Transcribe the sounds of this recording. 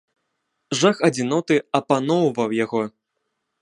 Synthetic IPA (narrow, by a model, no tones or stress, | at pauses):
ʐaxɐd͡zʲinɔt̪ɨɐpanɔwvɐwjaɣɔ